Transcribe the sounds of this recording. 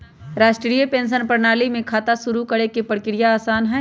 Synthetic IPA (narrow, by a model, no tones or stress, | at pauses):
ɾaːsʈɾɾijəpẽːns̬ənpɐɾnaːlimẽkʰaːt̪asʊɾukɐɽekepɐɽkɪɾijaaːsaːnɦɛː